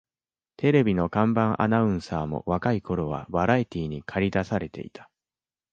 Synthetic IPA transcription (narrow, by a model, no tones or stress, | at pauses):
t̪ʰe̞ɾe̞bʲino̞kãmbãɰ̃ʔa̰naɯ̟̃ɰ̃saːmo̞̰βakaiko̞ɾo̞βa̰baɾait̪ʲiːɲ̟ikʰaɾʲid̪asaɾe̞t̪e̞̰it̪ʰḁ